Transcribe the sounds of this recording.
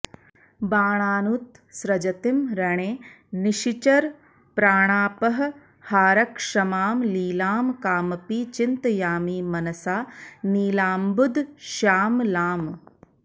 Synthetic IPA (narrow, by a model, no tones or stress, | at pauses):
baːɳ̃aːnut̪ | sɾɐd͡ʒɐt̪imɾɐɳeː | niʃit͡ʃɐɾ | pɾaːɳ̃aːpɐɦɐ̆ | haːɾɐkʂɐmaːmliːlaːmkaːmɐpit͡ʃint̪jaːmiːmɐnɐsaːniːlaːmbud̪ʱʃaːmlaːm